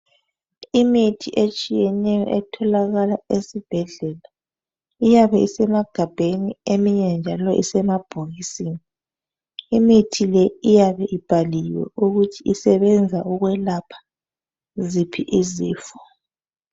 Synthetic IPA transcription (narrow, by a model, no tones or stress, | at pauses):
imitʰiʔet͡ʃʼijɛnɛjɔ̰ʔɛtʰɔlaɣalaesib̥ʱɛɮɛla | ijaβɛisɛmaɡ̥ʱab̥ʱeniemiɲɛnd͡ʒʱalɔʔḭsɛmab̥ʱuɣisini | imitʰilɛijaβɛʔib̥ʱaliwɛ̰uɣutʰiisɛβɛnd͡zʱauɣwɛlapʰḁ | zipʰiʔiziːfɔ̥